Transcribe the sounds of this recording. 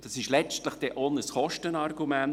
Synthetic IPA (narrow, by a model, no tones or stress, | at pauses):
d̥ɑsɪʃlɛt͡stləχd̥ɛʔonəsχɔʃtənɑrɡumæn